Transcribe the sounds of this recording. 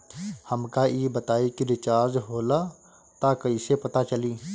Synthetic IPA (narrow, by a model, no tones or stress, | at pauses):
hɐmkaʔiːbɐt̪aːikiɾɪt͡ʃaːɾd͡ʒɦoːla | t̪akɐisepɐt̪at͡ʃɐliː